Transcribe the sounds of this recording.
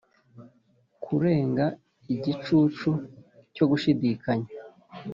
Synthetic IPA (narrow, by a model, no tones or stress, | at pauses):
kʰuɾe̞ːŋɡa | iɟit͡ʃut͡ʃuco̞ɡuʃidikaɲa